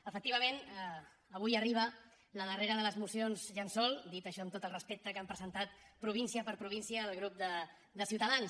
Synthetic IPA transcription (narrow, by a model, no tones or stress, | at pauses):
əfək̚t̪iβəmenəː | β̞ujəriβ̞ə | ləðəreɾəðələzmusionzʒansɔlˠd̪it̪əʃɔəmt̪ot̪əlˠrəspek̚t̪əkampɾəzənt̪at̪̚pɾuβinsiəpəɾpɾuβinsiəðəlˠɣɾup̚d̪ə | d̪əsiwt̪əðans